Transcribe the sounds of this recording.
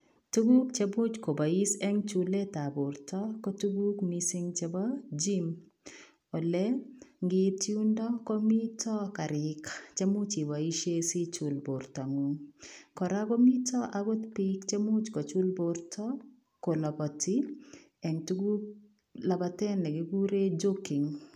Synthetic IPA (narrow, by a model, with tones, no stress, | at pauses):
tu˦ɡu˦kt͡ʃe˦bu˦t͡ʃko˨ba˨i˦sɛ˦ŋt͡ʃule˦ta˨bo˨ɾtɔkɔ˦tu˦ɡu˦kmisi˦ŋt͡ʃɛ˦bɔd͡ʒi˦m | ɔ˨lɛ˦ŋɡɪ˦t̚t͡ʃi˦u˦ndɔkɔ˦mi˦tɔ˦ka˨ɾɪkt͡ʃe˦mu˦t͡ʃi˨wa˨i˦ʃe˦si˦t͡ʃulbo˨ɾta˨ŋu˨ŋkɔ˨ɾa˦ɡɔ˦mi˦tɔ˦ʔawo˦t̪pikt͡ʃe˦mu˦t͡ʃkɔ˨t͡ʃu˦lboɾtʰɔ˦ | ko˨lɔ˨bɔ˨ti˦ | ɛ˨ŋtu˦ɡu˦k̚ | la˨batɛ˦nɛ˨ɡi˨ɡu˦ɾe˦d͡ʒoki˨ŋ